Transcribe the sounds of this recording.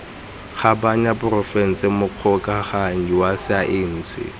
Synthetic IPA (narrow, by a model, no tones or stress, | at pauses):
χabaɲabʊrɔfɛn̩t͡sʼɪmʊq͡χʰɔkʼaχaɲiwasɪaʔɪn̩ːt͡sʰɪ̰